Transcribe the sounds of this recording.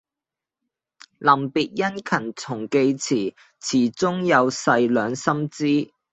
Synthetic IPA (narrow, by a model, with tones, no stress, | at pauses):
lɐ˨˩mpiː˨t̚jɐ˥nkʰɐ˨˩nt͡sʰʊ˨˩ŋke˧jt͡sʰiː˨˩ | t͡sʰiː˨˩t͡sʊ˥ŋjɐ˨˧wsɐ˧jlœː˨˧ŋsɐ˥mt͡siː˥